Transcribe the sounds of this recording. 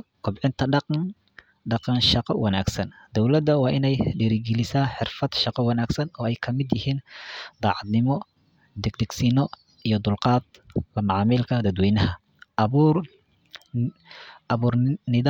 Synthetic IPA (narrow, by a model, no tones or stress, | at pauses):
kʰʊbʕɪnt̪ʰɐɖɑqɑn | ɖɑqɑnʃɑqɑwʔɑnaːɡsɐnd̪̥ɔwlɐd̪ɐwɑːʔɪnɛjɖɛɾɪɡɛlɪsaːħɪrfɐd̪ʃɑqɑwɑnaːɡsɐnɔːɛjkʰɐmɪd̪jɪhiːnd̪̥ɑːʕɑd̪nɪmɔ | d̪ɛɡ̚d̪ɛɡsinɔ | ijɞd̪ʊlqɑːd̪lɐmɑʕɑːmɪlkʰɐd̪ɐd̪wɛjnɐhɐ | βuːr | ʔɐβuːrnɪð